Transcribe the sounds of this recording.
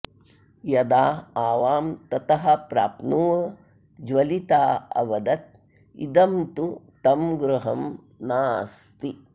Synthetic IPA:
jɐd̪aːaːʋaːmt̪ɐt̪ɐɦɐ̆pɾa̰ːpnuːɐ | d͡ʒʋɐlit̪aːɐ̰ʋɐd̪ɐt̪̚ | ḭd̪ɐmt̪ut̪ɐmɡɾuɦɐm | naːst̪i

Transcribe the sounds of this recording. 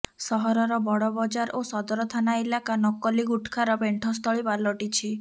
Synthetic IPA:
sɔɦɔɾɔɾɔbɔɽɔbɔd͡ʒaɾʔosɔd̪ɔɾɔt̪ʰanaelakanɔkɔliɡuʈʰkʰaɾɔbeɳʈʰɔst̪ʰɔɭibalɔʈit͡ʃʰi

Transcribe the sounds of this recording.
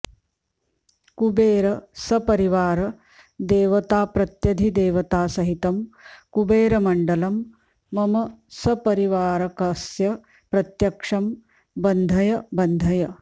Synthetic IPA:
kubeːɾɐsɐpɐɾiʋaːɾɐ | d̪eːʋɐt̪aːpɾɐt̪jɐd̪ʱid̪eːʋɐt̪aːsɐɦit̪ɐmkubeːɾɐmɐɳɖɐlɐmː | ɐmɐsɐpɐɾiʋaːɾɐkɐsjɐ | pɾɐt̪jɐkʂɐm | bɐnd̪ʱɐjɐbɐnd̪ʱɐjɐ

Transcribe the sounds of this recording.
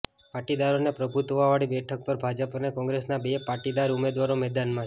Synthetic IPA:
paʈid̪aɾonepɾəbʱut̪ʋaʋaɭibɛʈʰək̚pəɾbʱad͡ʒəpənekɔ̃ŋɡɾesnabepaʈid̪aɾumed̪ʋaɾomɛd̪anmã

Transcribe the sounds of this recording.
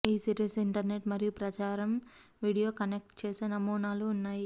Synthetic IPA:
iːsiʈisiɳʈɐɾne̞ʈmɐɾijupɾɐt͡ʃaːɾɐm | ʋiːɽijo̞ːkɐnek̚ʈt͡ʃeːsenɐmuːnaːluːnːaːji

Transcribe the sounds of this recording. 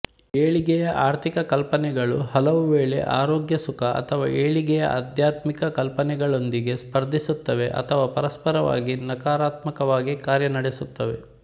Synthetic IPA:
eːɭiɡɛjɐʔaːɾt̪ʰikɐkɐlpɐnɛɡɐɭuhɐlɐʋuʋeːɭḛʔa̰ːɾoːɡjɐsukɐʔɐ̰t̪ʰɐʋaːʔeːɭiɡɛjɐ̰ʔa̰d̪ʱjaːt̪mikɐkɐlpɐnɛɡɐɭo̞nd̪iɡe̞spɐɾd̪ʱisut̪ːɐʋe̞ʔɐ̰t̪ʰɐʋaːpɐɾɐspɐɾɐʋa̰ːɡinɐkaːɾaːt̪mɐkɐʋaːɡikaːɾjɐnɐɽesut̪ːɐʋe̞̰

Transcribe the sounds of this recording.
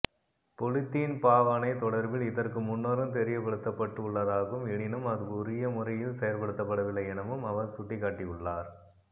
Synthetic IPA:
pɔlɪt̪ːɪnpaːʋɐnɐɪt̪ːɔɽɐɾbɪlɪðɐrkɯmʊnːɐɾɯmt̪ɛɾɪjɐpːɐɽɯt̪ːɐpːɐʈːɯʊɭːɐðaːɣɯmɛɳɪnɯmɐðɯʊɾɪjɐmʊrɐjɪlsɛjɐɾpɐɽɯt̪ːɐpːɐɽɐʋɪlːɐɪɛnɐʋɯmɐʋɐɾsʊʈːɪkːaːʈːɪjɯɭːaːɾ

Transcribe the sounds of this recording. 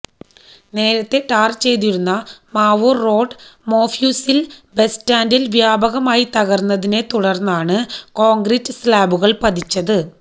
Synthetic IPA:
ne̞ːɾɐt̪ːe̞ʈaːrt͡ɕe̞jt̪̬iɾunːɐmaːʋurro̞ːɖmo̞ːfjuːsilbe̞staːndilʋjaːbɐɣɐmaːjit̪ɐɣɐrnːɐðine̞t̪uɽɐrnːaːɳɨko̞ːŋɡɾitːɨslaːbuɣɐɭpɐd̪ʱit͡ɕːɐðɨ

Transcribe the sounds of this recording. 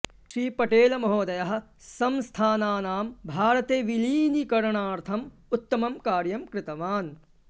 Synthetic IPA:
ʃɾiːpɐʈeːlɐmɐɦoːd̪ɐjɐɦɐ̆ | sɐmst̪ʰaːnaːnaːmbʱaːɾɐt̪eːʋiliːnikɐɾɳaːɾt̪ʰɐm | ut̪ːɐmɐmkaːɾjɐmkɾɪt̪ɐʋaːn

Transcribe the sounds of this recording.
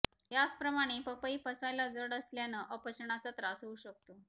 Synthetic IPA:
jat͡spɾəmaɽ̃epəpəipəsajlad͡zəɽəsljanəʔəpəɕəɳ̃at͡sat̪ɾasɦəuɕək̚t̪o

